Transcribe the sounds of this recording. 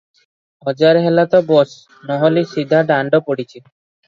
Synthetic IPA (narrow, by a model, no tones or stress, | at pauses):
ɔd͡ʒaɾɦelat̪ɔbɔs | nɔɦɔlisid̪ʱaɖaɳɖɔpoɽit͡ɕʰi